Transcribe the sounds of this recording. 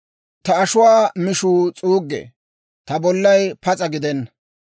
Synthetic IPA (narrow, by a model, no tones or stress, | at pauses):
t̪ɐɐʃʊwaːmɪʃuːt͡sʼuːɡːḛ | t̪ɐbɔlːɐjpɐt͡sʼɐɡɪd̪ɛnːɐ